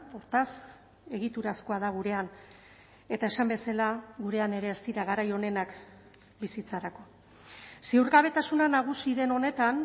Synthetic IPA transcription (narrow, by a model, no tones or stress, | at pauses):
oɾt̪as | e̞ɣit̪uɾasko̞að̞aɣ̞uɾe̞an | e̞t̪ae̞sambe̞salaɣuɾe̞ane̞ɾe̞ːst̪iɾaɣaɾajo̞ne̞nak | bisit͡saɾako̞ | siuɾɣaβ̞e̞t̪asunanaɣ̞usiðe̞no̞ne̞t̪an